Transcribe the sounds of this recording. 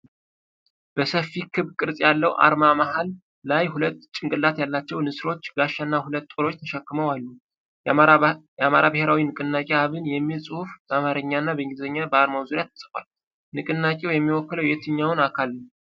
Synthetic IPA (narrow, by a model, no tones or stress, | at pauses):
b̥əsəfːikʰɨβkʼɨɾsʼjalːəwʔa̰ɾmamaɦalː | ajhulət̪ːt͡ʃʼɪŋkʼɨlːat̪jalːat͡ʃːɛwnɨsɾo̞t͡ʃːɡaʃːanːahulət̪ːʼoɾo̞t͡ʃːt̪ʰəʃɛkːɨməwalːu | jamaɾabəheɾawinɨkʼɨnːakʼeaβɨnjɛmːilsʼɨhufbəamaɾɨɲːanːabəŋɡɨzəɲːabəaɾmawzuɾjat̪ʰːə̥sʼɨkwal | nɨkʼɨnːakʼewjɛmːiwɔkːələwjɛt̪ʰɨɲːawnakʰal